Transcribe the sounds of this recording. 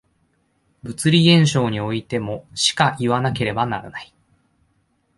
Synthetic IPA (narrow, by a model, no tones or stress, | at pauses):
bɯ̟t͡sɨɾʲiẽ̞ɰ̃ɕo̞ːɲ̟io̞it̪e̞mo̞ɕi̥kaʔiβanake̞ɾe̞banaɾa̰nai̥